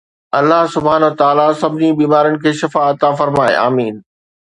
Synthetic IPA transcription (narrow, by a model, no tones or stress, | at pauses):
ɐlːaɦsʊbʱaːnəʋt̪aːlasɐbʱɪnibiːmaːɾənɪ̆kʰeːʃɐfaɐt̪afɐɾmaːḛaːmiːn